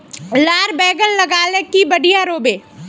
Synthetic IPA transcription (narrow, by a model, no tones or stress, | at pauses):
laːɾbɛːɡənlɐɡaːlekibɐɽijaɾoːbeː